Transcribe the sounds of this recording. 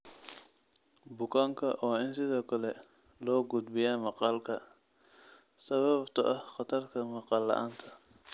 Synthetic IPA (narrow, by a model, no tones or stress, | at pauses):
bʊkʰaːŋkʰɐʔɔːɪnsɪðɔːkʰɐlɛ | lɔːɡʊd̪bɪjaːmɑqɑːlkʰɐ | sɐβɐbt̪ʰɐʔɐhqɑt̪ʰɐrkʰɐmɑqɑːlːɐ̰ʔa̰ːnt̪ʰɐ